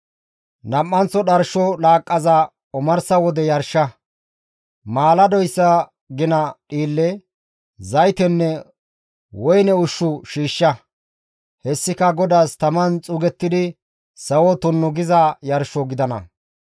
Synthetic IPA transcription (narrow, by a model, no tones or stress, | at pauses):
nɐpʼːɐnt͡sːɔɗɐɾʃɔlaːkʼːɐzɐ | ʊmɐɾsɐwɔd̪ɛjɐɾʃɐ | maːlɐd̪ɔjsːɐ | ɡɪnɐɗiːlːɛ | zɐjt̪ɛnːɛ | wɔjnɛʊʃːʊʃiːʃːɐ | hɛsːɪkɐɡɔd̪aːst̪ɐmɐnt͡sʼʊɡɛt̪ːɪd̪ɪ | sɐwɔt̪ʊnːʊɡɪzɐjɐɾʃɔɡɪd̪ɐnɐ̰